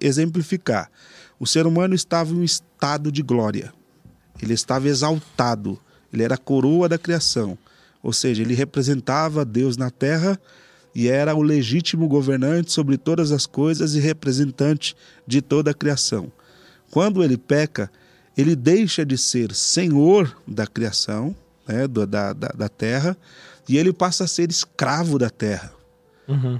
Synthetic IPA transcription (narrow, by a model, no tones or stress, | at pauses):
ezẽmplifika̰ɾ | ʊseɾumɐ̃nʊɪst̪avɐ̃ũɪst̪ad̪ʊd͡ʒɪɡlɔɾiɐ̰ | elɪɪst̪avɐezawt̪ad̪ʊ̰ | elɪɛɾɐkoɾoɐd̪ɐkɾiasɐ̃w̃ | o̰wseʒɐelɪɦepɾezẽnt̪avɐd̪ewznɐt̪ɛɦɐ | ɪɛɾɐʊleʒit͡ʃimʊɡoveɾnɐ̃t͡ʃɪ̥sobɾɪt̪od̪ɐzɐskojzɐzɪɦepɾezẽnt̪ɐ̃t͡ʃɪ̥ | d͡ʒɪt̪od̪ɐkɾiasɐ̰̃w̃ | kwɐ̃nd̪ʊelɪpɛkɐ | elɪd̪ejʃɐd͡ʒɪseɾsẽɲoɾd̪ɐkɾiasɐ̃w̃ | nɛd̪ɐd̪ɐ̰d̪ɐ̰d̪ɐt̪ɛɦɐ | ɪelɪpasɐːseɾɪskɾavʊd̪ɐt̪ɛhɐ̃